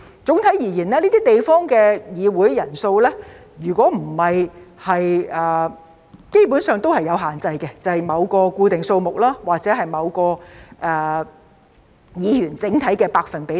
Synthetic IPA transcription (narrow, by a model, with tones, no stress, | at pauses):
t͡sʊ˨˥ŋt̪ʰɐ˨˥jiː˨˩jiː˨˩nlɛː˥liː˥t̪iː˥t̪e˨jfɔː˥ŋkɛː˧jiː˨˧wuː˨˥jːjɐ˨˩nso˧wlɛː˥ | jyː˨˩kʷɔː˨˥m̩˨˩hɐ˨jhɐ˨jʔɛː˨ | ke˥jpu˨˥nsœː˨ŋt̪o˥whɐ˨jːɐ˨˧wɦaː˨˩nt͡sɐ˧jkɛ˧t͡sɐ˨˩hɐ˨jmɐ˨˧wkɔː˧kuː˧t̪ɪ˨ŋso˧wmʊ˨k̚laː˥waː˨k̚t͡sɛː˨˥ɦɐ˨jmɐ˨˧wkɔː˧ʔɛː˨˩ | jiː˨˧jyː˨˩nt͡sɪ˨˥ŋt̪ʰɐ˨˥jkɛː˧paː˧k̚fɐ˨npe˨˥